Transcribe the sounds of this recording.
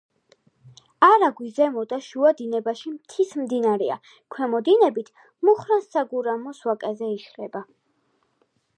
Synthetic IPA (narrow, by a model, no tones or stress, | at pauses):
aɾaɡwizɛmɔd̪aʃuad̪inɛbaʃimt̪ʰismd̪inaɾɛa̰ | kʰwɛmɔd̪inɛbit̪ʰ | muχɾansaɡuɾamɔswakʼɛzɛiʃɾɛba